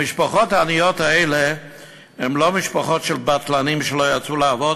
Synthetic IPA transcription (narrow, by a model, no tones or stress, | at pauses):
mɪʃpaχɔtaːnijɔtaɛle | hɛmlomɪʃpaχɔtʃɛlbatlanimʃəlojat͡sulaavɔd